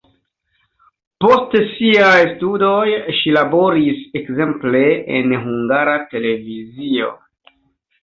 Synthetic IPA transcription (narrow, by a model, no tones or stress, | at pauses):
po̞stsiajstudo̞jʃilabo̞ɾise̞kze̞mple̞enɦuŋɡaɾate̞le̞vizio̞̰